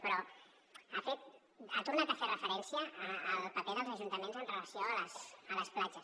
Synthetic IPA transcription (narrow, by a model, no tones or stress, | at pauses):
pɾɔ | afet̪̚ | at̪uɾnat̪aferəfəɾɛnsjaːlpapeðəlzaʒunt̪amẽnzənrəlasjoələsələsplad͡ʒas